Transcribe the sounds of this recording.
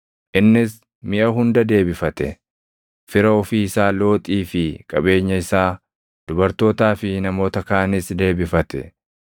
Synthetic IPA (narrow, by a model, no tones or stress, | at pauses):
ʔɪnːɪs | mɪʔɐɦʊnd̪ɐd̪e̞ːbɪfɐt̪ɛ̰ | fɪɾɐɔfiːɪsaːlo̞ːt̪ʼiːfɪkʼɐbe̞ːɲːɐɪsaː | d̪̥ʊbɐɾt̪o̞ːt̪aːfɪnɐmo̞ːt̪ɐkaːnɪsd̪e̞ːbɪfɐt̪ɛ̰